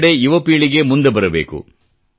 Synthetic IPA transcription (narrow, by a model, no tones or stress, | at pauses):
ɽejuʋɐpiːɭiɡe̞mund̪ebɐɾɐbḛːkṵ